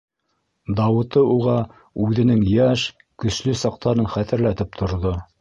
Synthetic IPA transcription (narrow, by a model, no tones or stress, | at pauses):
d̪ɑwɤ̆t̪ɤuʁɑ | ʉðɘ̆nɘŋjæʃ | kɵ̆slɵsɑq̚t̪ɑɾɤnχæθɘ̆ɾlæt̪ɘp̚t̪ʰŏɾðo